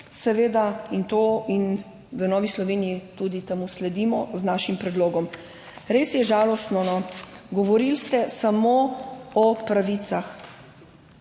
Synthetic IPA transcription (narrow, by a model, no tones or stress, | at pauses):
sɛʋeːd̪aint̪oːin | ʋənɔːʋislɔʋeːnijit̪ud̪it̪ɛmuslɛd̪imɔznaːʃimpɾɛd̪loːɡɔm | ɾesjɛʒaːlɔst̪nɔnɔɡɔʋɔɾilst̪ɛsamoːɔpɾaʋit̪sax